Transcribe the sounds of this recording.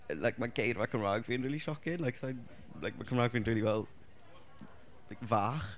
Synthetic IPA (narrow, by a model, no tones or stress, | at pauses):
lʔajk̚maɡejrvakʰəmraːɡviːnriːlˠiʃɔkɪnlˠajksajn | lajk̚makʰəmɾaːɡviːnriːlivɛlˠ | lajkvaːχ